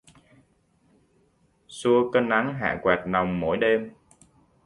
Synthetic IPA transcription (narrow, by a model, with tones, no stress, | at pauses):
su˧əkə˧nʔa˨˦ŋɦa̰ː˧˨kwaː˨˩t̚na˨˩wŋ͡mmo̰˧˩jɗe˧m